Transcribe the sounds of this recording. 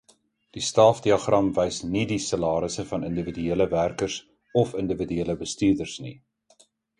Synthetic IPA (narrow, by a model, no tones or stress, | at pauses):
d̥istɑlfdiɑχrɐmvɛjsnidisəlɑːɾəsəfɐnəndəvidyeələværkərs | ɔfəndəvidyeələbəstyːrdərsni